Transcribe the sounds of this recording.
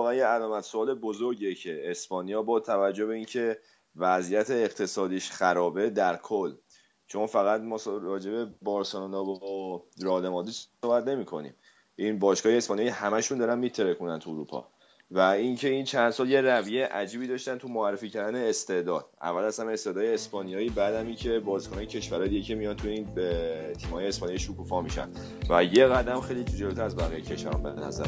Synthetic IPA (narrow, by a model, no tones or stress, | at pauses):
ɣænjeælɒːmæt̪ʰsoɒːle̞bozoɾɟecʰeːspɒːnijɒːbɒːt̪ʰævæd͡ʒːobe̞iːncʰe̞ | væzijæt̪ʰeːqt̪ʰe̞sɒːd̪iːʃχæɾɒːbe̞d̪æɾkʰolː | t͡ʃʰonfæɣæt̪mɒːsɾɒːd͡ʒe̞be̞bɒɾsenɔnɒːb | ɾɒːlemɒːd̪iʃsobæt̪ne̞miːkʰo̞̰nḭːm | ʔinbɒːʃkɒːjeespɒnijihæmæʃund̪ɒːɾænmiːt̪ʰeɾekʰunænt̪ʰuuɾṵpʰɒ̰ | væincʰe̞int͡ʃʰænd̪̥sɒːlje̞rævijejʔæd͡ʒiːbiːd̪ɒʃt̪ænt̪ʰumoærːefiːcʰæɾd̪æne̞ːst̪e̞d̪ɒːd̪̥æ̰vːælæsæmeest̪ed̪ɒːjeespɒːnijɒːibæd̪æmincʰe̞bɒːzikʰonɒjecʲʰeʃvæɾɒːjd̪iɟecʰe̞mijɒnt̪ʰujiːnt̪ʰiːmhɒːjeespɒːnijeʃukufɒmiʃæ̰n | væjeɣæd̪æmxe̞jlit̪ʰed͡ʒelt̪ʰææzbæɣijecʰe̞ʃvæ̰ɾɔ̰mbenæ̰zæ̰ɾ